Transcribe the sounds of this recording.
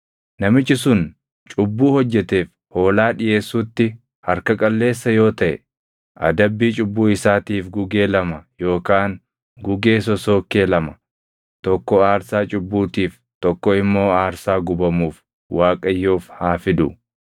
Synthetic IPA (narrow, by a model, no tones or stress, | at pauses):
nɐmɪt͡ʃːɪsʊn | t͡ʃʼʊbːuːhɔd͡ʒːɛt̪e̞ːf | ho̞ːlaːᶑɪje̞ːsːuːt̪ːɪ | hɐɾkɐkʼɐlːe̞ːsːɐjo̞ːt̪ɐʔɛ̰ | ʔɐ̰d̪ɐbːiːt͡ʃʼʊbːuːɪsaːt̪iːfɡʊɡe̞ːlɐmɐjo̞ːkaːn | ɡʊɡe̞ːsɔso̞ːkːe̞ːlɐmɐ̥ | t̪ɔkːɔaːɾsaːt͡ʃʼʊbːuːt̪iːf | t̪ɔkːɔɪmːo̞ːaːɾsaːɡʊbɐmuːf | waːkʼɐjːoːfhaːfɪd̪ʊ̰